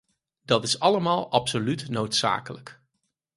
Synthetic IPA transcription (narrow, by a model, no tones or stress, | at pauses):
d̥ɑtɪsɑləmaːlˠɑpsolytnowtsa̰ːkələk